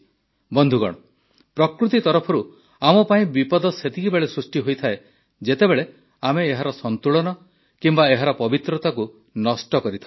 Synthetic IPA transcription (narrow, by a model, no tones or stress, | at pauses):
bɔnd̪ʱuɡɔ̰ɽ̃ɔ | pɾɔkɾut̪it̪ɔɾɔpʰɔɾu | amɔpaĩbipɔd̪ɔset̪ʰikibeɭesɾusʈiɦojt̪ʰae | d͡ʒet̪ebeɭe | ameːɦaɾɔsɔnt̪uɭɔnɔ | kimbaeɦaɾɔpɔbit̪ɾɔt̪aku | nɔsʈɔkɔɾit̪ʰa